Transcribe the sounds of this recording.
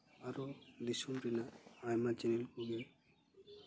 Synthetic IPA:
aɾɔd̪isumɾinaajmat͡ʃɛnilkuɡɛ

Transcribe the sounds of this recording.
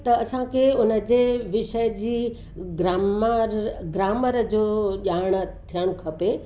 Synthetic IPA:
t̪ɐɐsãkʰeʊnə̆d͡ʑeːʋɪʃəjd͡ʑiː | ɡɾmɾɡɾaːməɾd͡ʑoːʄaːɽ̃ə̆t̪ʰijəɽ̃kʰɐpe

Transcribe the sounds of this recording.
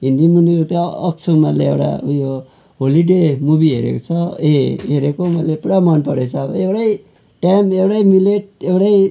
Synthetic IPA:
ɦind̪imuniut̪ʌʌ̰k̚t͡sʰumaleḛwɽa̰jo | ɦoliɖemubiɦeɾḛkot͡sʰʌeɦeɾekomʌlepuɽamʌnpʌɾet͡sʰʌːbʌ̰ewɽʌj | ʈamewɽʌjmileʈ̚ewɽʌj

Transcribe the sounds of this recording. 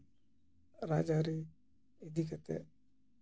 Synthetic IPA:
ɾa̰ːd͡ʒaɾi | ed̪ʱikat̪ɛ̰

